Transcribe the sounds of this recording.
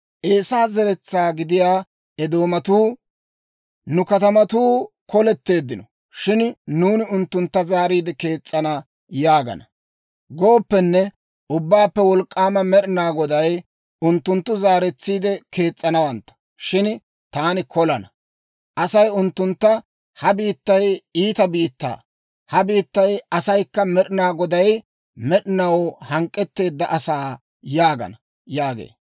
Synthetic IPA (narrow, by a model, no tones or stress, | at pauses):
ʔeːsaːzɛɾɛt͡sːaːɡɪd̪ɪjaː | ɛd̪o̞ːmɐt̪uː | nʊkɐt̪ɐmɐt̪uː | kɔlɛt̪ːe̞ːd̪ːɪnɔ | ʃɪnnuːnɪʊnt̪ːʊnt̪ːɐzaːɾiːd̪ɛke̞ːt͡sʼːɐnɐ | jaːɡɐ̰nɐ | ɡo̞ːpːɛnːɛ | ʔʊbːaːpːɛwɔlkʼːaːmɐmɛɾɪnaːɡɔd̪ɐj | ʊnt̪ːʊnt̪ːʊzaːɾɛt͡sːiːd̪ɛkʰe̞ːt͡sʼːɐnɐwɐnt̪ːɐ̥ | ʃɪn | t̪aːnɪkʰɔlɐnɐ | ʔɐsɐjʊnt̪ːʊnt̪ːɐ | hɐbiːt̪ːɐjiːt̪ɐbiːt̪ːa̰ː | hɐbiːt̪ːɐjɐsɐjkːɐmɛɗɪnaːɡɔd̪ɐj | mɛɗɪnɐwhɐŋkʼːɛt̪ːe̞ːd̪ːɐʔɐsaː | jaːɡɐ̰nɐ | jaːɡḛː